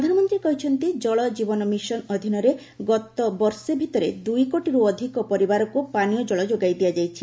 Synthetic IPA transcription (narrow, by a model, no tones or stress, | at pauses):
ɾd̪ʱanɔmɔnt̪ɾikɔɦit͡ʃʰɔnt̪id͡ʒɔɭɔd͡ʒibɔnɔmiʃɔnɔd̪ʱinɔɾe | ɡɔt̪ɔbɔɾsebʱit̪ɔɾed̪ujkoʈiɾuɔd̪ʱikɔpɔɾibaɾɔkupanijɔd͡ʒɔɭɔd͡ʒoɡajd̪ijad͡ʒajt͡ʃʰi